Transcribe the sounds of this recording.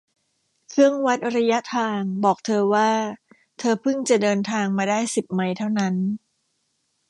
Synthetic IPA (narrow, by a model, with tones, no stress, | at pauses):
kʰɯ˥˩əŋwa˦˥t̪̚ɾa˧ja˦˥t̪ʰaː˧ŋbɔː˨˩k̚t̪ʰɤː˧waː˥˩ | t̪ʰɤː˧pʰɯ˥˩ŋt͡ɕa˨˩dɤː˧nt̪ʰaː˧ŋmaː˧daː˥˩jsi˨˩p̚ma˧jt̪ʰa˥˩wna˦˥n